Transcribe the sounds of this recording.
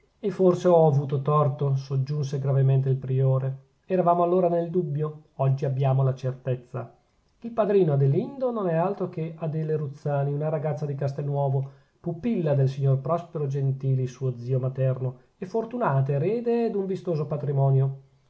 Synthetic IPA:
efːorseɔavuːt̪ot̪ɔrt̪osod͡ʒːunseɡɾavement̪̬eilpɾioːɾe | ɛɾavaːmoalːoːɾaneld̪ubːjoɔd͡ʒːiabːjaːmolat͡ʃert̪et̪sːa̰ | ilpad̪ɾiːnoad̪elind̪ononɛalt̪ɾokead̪eleɾut̪sːaːniunaɾaɡat̪sːad̪ikast̪elnːwɔːvo | pupilːad̪elsiɲːorpɾɔspeɾod͡ʒent̪iːlisuːod̪ziːomat̪ɛrno | efːort̪unaːt̪eɾeːd̪ed̪uɱvist̪oːzopat̪ɾimɔːnjo

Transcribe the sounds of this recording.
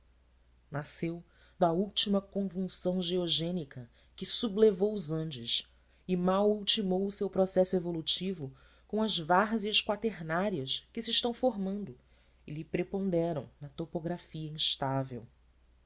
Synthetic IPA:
nasew | d̪ɐuwt͡ʃimɐkõʒũsɐ̃w̃ʒeɔʒẽnikɐ | kɪsublevowʊzɐ̃nd͡ʒʊʃ | ɪmawuwt͡ʃimowʊsewpɾɔsɛsʊevolut͡ʃivʊ | kõɐzvaɾziɐʃkwat̪eɾnaɾiɐʃkɪsɪiɪʃt̪ɐ̃w̃foɾmɐ̃nd̪ʊ | ɪlɪpɾepõnd̪ɛɾɐ̰̃w̃nɐt̪opoɡɾafiɐĩʃt̪avḛw

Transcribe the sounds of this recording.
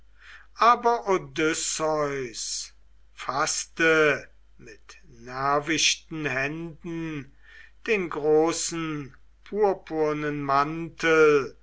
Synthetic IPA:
ʔaːbɐʔodʏsɔʏs | fastə | mɪt | næɐvɪʃtn̩ɦɛndn̩ | d̥eːnɡʁoːsn̩ | pʰuːɐpʰuɐnənmantʰəl

